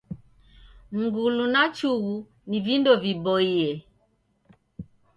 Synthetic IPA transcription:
ŋ̩ɡulunat͡ʃuɣu | nivindɔvibɔiɛ

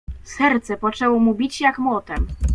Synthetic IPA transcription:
sɛɾt̪sɛpɔt͡ʂɛwɔmubʲit͡ɕjakmɔt̪ɛm

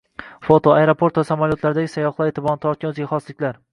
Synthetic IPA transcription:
fot̪ʰoajeɾopʰo̞ɾt̪vasamalˠjot̪laɾɪd̪aɡʲɪsajɒχlˠaɾet̪ʰɪbɒnɪt̪ʰɒɾt̪̚kʲanɵzɪɡʲaχɒslɪkʲlaɾ

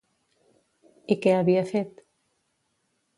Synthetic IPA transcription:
ikeaβiafet̪

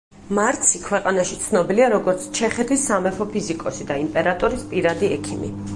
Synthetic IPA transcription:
maɾt̪sʰikʰwɛqʼanaʃit̪sʰnɔbiliaɾɔɡɔɾt̪sʰt͡ʃʰɛχɛt̪ʰisːamɛfɔpʰizikʼɔsid̪aimpʼɛɾat̪ʼɔɾispʼiɾad̪iɛkʰimḭ

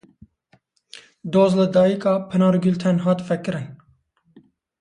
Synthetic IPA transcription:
d̪oːzlɨd̪ɑːjikɑːpʰɨnɑːɾɡylt̪ʰɛnɦɑːt̪fɛkɨɾɨn

